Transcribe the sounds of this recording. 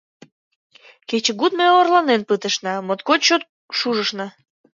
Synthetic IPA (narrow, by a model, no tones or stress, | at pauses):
ket͡ɕə̆ɡut̪møorlɑnenpɨt̪əʃnɑmot̪kot̪t͡ɕot̪̚ | ʃuʒəʃnɑ